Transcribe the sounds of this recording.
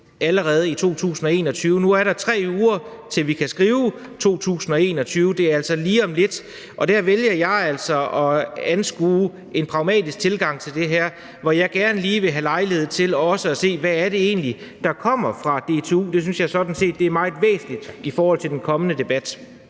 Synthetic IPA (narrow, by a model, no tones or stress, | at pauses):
æləʁɛːð̞ˠəit͡sʰo̝̰ːt͡sʰṵːsn̩ɒ̽e̝̰ːnɒ̽t͡sʰyːʊənuæɐɾɑ̈t͡sʰʁɛ̰ːuːɐ | t͡sʰe̝lʋikʰæsɡ̥ʁiːʊ | t͡sʰo̝̰ːt͡sʰṵːsn̩ɒ̽e̝̰ːnɒ̽t͡sʰyːʊəd̥e̝æɐæl̰sɒ̽liːɒ̽mle̝d̥ | ʔɒ̽d̥æɐʋeljɐjɑ̈ɪæl̰sɒ̽ɒ̽ænsɡ̥uː | e̝npʰʁɑ̈ʊmɛ̰ːd̥isɡ̥̚t͡sʰe̝lɡ̥ɑ̈ŋ̰t͡sʰe̝ld̥e̝ɦæɐ̰ | ʋɒjɑ̈ɪɡ̥æɐnliːʋe̝ɦælɑ̈ɪlihe̝ð̞̰ˠt͡sʰe̝lɒ̽səæse̝̰ːʋæːɐɾe̝e̝̰ːnli | d̥ɑ̈kʰɒ̽m̰ɐfʁɑ̈d̥e̝t͡sʰe̝ṵːd̥e̝s̬ynsjɑ̈ɪsɒ̽d̥n̩se̝̰ːd̥ːe̝æɐmɑ̈ɪð̩ˠʋḛːsn̩lid̥ifɒːhɒ̽l̰t͡sʰe̝ld̥enkʰɒ̽mənəd̥e̝b̥æd̥